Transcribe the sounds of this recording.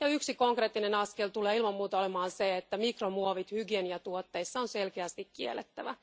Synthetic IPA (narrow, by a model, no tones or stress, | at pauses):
jɑyksikoŋkreːt̪ːinenɑskelt̪uleːilmɑmmuːt̪ɑolemɑːnseet̪ːæmikromuoʋit̪hyɡieniɑt̪uot̪ːeisːɑonselkeæst̪ikkiḛlːet̪ːæʋæ